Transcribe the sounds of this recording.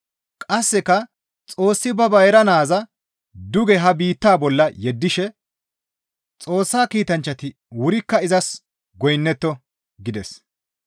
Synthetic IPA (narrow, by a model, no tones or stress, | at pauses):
kʼɐsːɛkɐ | t͡sʼo̞ːsːɪbɐbɐjɾɐnaːzɐ | d̪ʊɡɛɦɐbiːt̪ːaːbɔlːɐjɛd̪ːɪʃɛ | t͡sʼo̞ːsːaːkiːt̪ɐnt͡ʃːɐt̪ɪ | wʊɾɪkːɐɪzɐs | ɡɔjnːɛt̪ːɔ | ɡɪd̪ɛs